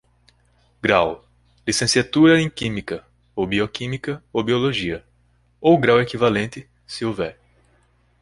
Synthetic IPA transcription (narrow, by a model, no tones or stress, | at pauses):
ɡɾaw | lisẽsiat̪uɾɐẽj̃kĩmikɐ | obiokĩmikɐowbioloʒiɐ | owɡɾawekivalẽnt̪ɪ | sɪovɛɾ